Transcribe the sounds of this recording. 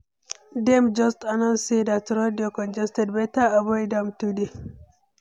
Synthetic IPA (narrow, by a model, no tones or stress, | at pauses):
dɛmd͡ʒɔstanansidatuɾɔdiokɔnd͡ʒɛstɛdbɛtaabɔjdamtude